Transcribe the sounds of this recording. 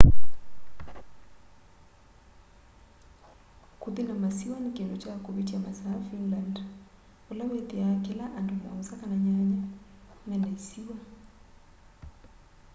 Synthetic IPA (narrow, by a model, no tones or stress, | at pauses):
kuðinamasiwanikɛndɔt͡ʃakupitiamasaːfinland | ulawɛðiakilaʔandɔma̰usakanaɲaɲamɛnɛsiwa